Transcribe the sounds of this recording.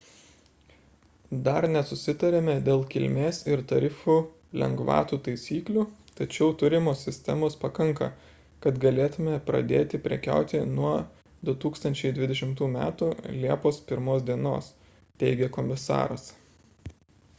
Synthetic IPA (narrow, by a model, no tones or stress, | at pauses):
d̪ɐɾnʲɛsʊsʲɪt̪ɐɾʲemʲɛd̪ʲeːlˠkʲɪlʲmʲeːsɪɾt̪ɐɾʲɪfuː | lʲɛ̰ŋɡʋɑ̰ːt̪uːt̪ɐɪsʲiːklʲuːt̪ɐt͡ʃʲɛʊt̪ʊɾʲɪmoːsʲɪsʲt̪ʲɛmoːspɐkɐŋkɐ̰ | kɐt̪ɡɐlʲeːt̪ʊmʲɛpɾɐ̰d̪ʲeːt̪ʲɪpʲɾʲɛ̰kʲæ̰ʊt̪ʲɪnuɔ | d̪ʊt̪uːkst̪ɐnʲt͡ʃʲɛɪd̪ʲʋʲɪd̪ʲɛʃʲɪmt̪uːmʲæːt̪uːlʲiɛpoːspʲɪɾmoːsd̪ʲiɛno̰ːs | t̪ʲɛɪɡʲɛkomʲɪsɑ̰ːɾɐs